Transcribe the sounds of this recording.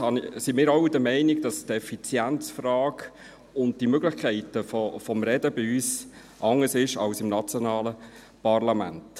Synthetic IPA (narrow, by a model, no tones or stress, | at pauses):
hɑnsimɪːɾɑwdəmɛɪnɪɡd̥ɑstɛfit͡sjænt͡sfrɑːɡ | ʊnd̚d̥imøɡlɪχkʰɛɪtəfɔfɔmɾɛdəbɪyːs | ʔɑŋːəsɪʃɑ̰wsɪmnɑt͡sjɔnɑːlə | pɑrlɑmæ̰nt